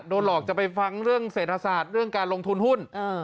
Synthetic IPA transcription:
doː˧nlɔː˨˩k̚t͡ɕa˨˩pa˧jfa˧ŋɾɯ˥˩əŋseː˨˩t̪̚ʰa˧saː˨˩t̪̚ɾɯ˥˩əŋkaː˧nlo˧ŋt̪ʰu˧nhu˥˩n˧

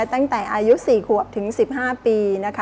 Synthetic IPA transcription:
t̪a˥˩ŋt̪ɛː˨˩ʔaː˧ju˦˥siː˨˩kʰu˨˩ək̚t̪ʰɯ˩˦ŋsi˨˩p̚ɦaː˥˩piː˧na˦˥kʰ

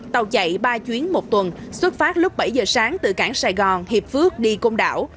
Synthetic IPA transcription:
t̪ə˨˩wt͡ɕə̰˧˨jɓaː˧t͡ɕwi˨˦ənmo˨˩t̚t̪wə˨˩nswə˦˥t̚faː˦˥t̚lʊ˦˥k͡p̚ɓə˧˩jzəː˨˩saː˨˦ŋt̪ɨ̰˧˨˩kaː˧˩ŋsaː˧˩jɣɔ˨˩nhi˨˩p̚fɨ˦˥ək̚ɗi˧ko˧ŋ͡mɗa̰ː˧˩w

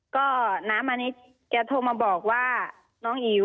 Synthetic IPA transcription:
kɔː˥˩naː˦˥mʔa˧niː˦˥ | kɛː˧t̪ʰoː˧maː˧bɔː˨˩k̚waː˥˩ | nɔː˦˥ŋʔiː˨˩˦

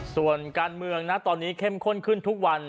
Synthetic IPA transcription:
su˨˩ənkaː˧nmɯ˧əŋna˦˥ʔt̪ɔː˧nːiː˦˥kʰe˥˩mkʰo˥˩nkʰɯ˥˩nt̪ʰu˦˥k̚wa˧n

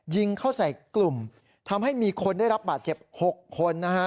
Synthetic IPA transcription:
ji˧ŋkʰa˥˩wsa˨˩jklu˨˩m | t̪ʰa˧mha˥˩jmiː˧kʰo˧ndaː˥˩jɾa˦˥p̚baː˨˩t̪̚t͡ɕe˨˩p̚ho˨˩kʰːo˧nːa˦˥kʰa˦˥

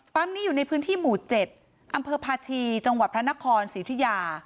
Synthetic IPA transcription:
fa˦˥mniː˦˥juː˨˩na˧jpʰɯː˦˥nt̪ʰiː˥˩muː˨˩t̪̚t͡ɕe˨˩t̪̚ | ʔa˧mpʰɤː˧pʰaː˧t͡ɕʰiː˧t͡ɕa˧ŋwa˨˩t̪̚pʰɾa˦˥na˦˥kʰɔː˧nsiː˩˦t̪ʰi˦˥jaː˧

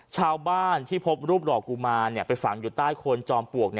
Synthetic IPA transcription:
t͡ɕʰaː˧wbaː˥˩nt̪ʰiː˥˩pʰo˦˥p̚ɾuː˥˩p̚ɾɔː˨˩kːuː˧maː˧nːi˥˩pa˧jfa˨˩˦ŋjuː˨˩t̪aː˥˩jkʰo˧nt͡ɕɔː˧mpu˨˩ək̚ni˥˩

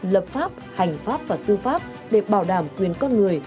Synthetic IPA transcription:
ləː˨˩p̚faː˦˥p̚ha˨˩jŋ̟faː˦˥p̚vaː˨˩t̪ɨ˧faː˦˥p̚ | ɗe˧˩ɓaː˧˩wɗaː˧˩mkwi˨˩ənkɔ˧nŋɨ˨˩əj

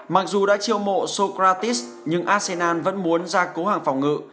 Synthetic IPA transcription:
ma˨˩k̚zu˨˩ɗa̰ː˧˥t͡ɕi˧əwmo̰˧˨so˧kɾaː˧t̪i˦˥s | ɲɨ˧ŋʔaː˧se˧naː˧nvə̰˧˥nmu˨˦ənzaː˧ko˨˦haː˨˩ŋfa˨˩wŋ͡mŋɨ̰˧˨

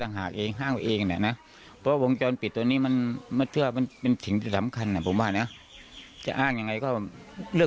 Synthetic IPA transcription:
t̪a˧ŋɦaː˨˩kʔeː˧ŋɦaː˧˥˩ŋpa˧ʔeː˧ŋa˨na̰˨˧˩na˦˧˥ | pʰɔ˧wa˧o˧ŋt͡ɕɔː˧npi˨˩t̪ːo˧niː˧˥˨ma˧˥˨nma˧˥nt̪ʰɯ˧˨wa˧ma˧˥npe˧nsi˨˩˦ŋt̪ʰiː˧sa˨˦mkʰa˧nːa˧˨˩pʰo˨˦mwaː˧˩na˦˧˥ | t͡ɕa̰˧ʔaː˧˥˩ŋɲa˧ŋːa˧jkɔː˧˩˧lɯ˥˩ə˨

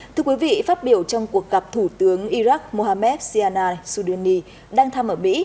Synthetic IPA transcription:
t̪ʰɨ˧əkwi˨˦vḭ˧˨faː˦˥t̚ɓi˧˩əwt͡ɕɔ˧wŋ͡mku˨˩ək̚ɣa˨˩p̚t̪ʰu˧˩t̪ɨ˨˦əŋʔi˧zaː˦˥k̚mo˧haː˧mɛ˦˥t̚si˧aː˧naː˧jsu˧ɗə˧nːi˧ | ɗaː˧ŋt̪ʰaː˧mʔəː˧˩mḭ˧˥

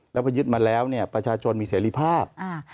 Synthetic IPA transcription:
lɛ˦˥pʰɔ˧jɯ˦˥t̪̚maː˧lɛː˦˥wni˥˩ɐpɾa˧t͡ɕʰaː˧t͡ɕʰo˧nmiː˧seː˩˦ɾi˦˥˩pʰaː˥˩p̚ʔa˧˩

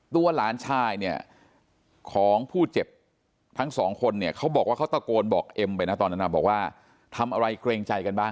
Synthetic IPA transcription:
t̪u˧ɐlaː˩˦nt͡ɕʰaː˧jni˥˩ɐ | kʰɔː˩˦ŋpʰuː˥˩t͡ɕe˨˩p̚ | t̪ʰa˦˥ŋsɔː˩˦ŋkʰo˧nːi˥˩ɐkʰa˦˥wbɔː˨˩kwaː˥˩kʰwt̪a˥˩koː˧nbɔː˨˩k̚ʔe˧mpa˧jna˦˥t̪ɔː˧nːa˦˥na˦˥bɔː˨˩kwaː˥˩ | t̪ʰa˧mʔa˧ɾa˧jkɾeː˧ŋt͡ɕa˧jka˧nbaː˥˩

